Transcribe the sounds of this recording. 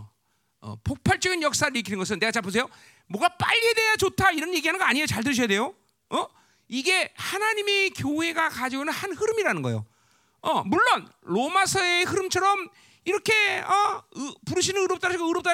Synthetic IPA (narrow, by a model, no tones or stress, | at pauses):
ʌ̰pok̚pʰaɭt͡ɕ͈ʌɡinjʌk̚s͈aɾɯɾikʰinɯnŋɡʌs̬ʰɯnːeɡat͡ɕapʰɯs̬ʰe̞jo | mwʌɡap͈a̰ʎːiede̞jat͡ɕotʰaiɾʌnje̞ɡiɦanɯnŋɡʌaɲiot͡ɕaɭt̬ɯɾɯɕ̬ʰʌjade̞jo | ʌ | iɡe̞hanaɲime̞kjoɦe̞ɡakad͡ʑiɡonɯnhanhɯɾɯmiɾanɯnɡʌ̰jo̰ | ʌmuɭːonɾomasʰʌehɯɾɯmt͡ɕʰʌɾʌm | iɾʌkʰe̞ʌpuɾɯɕʰinɯnɯɾʌp̚t͈aɾɕʰiɡoɯɾʌp̚t͈a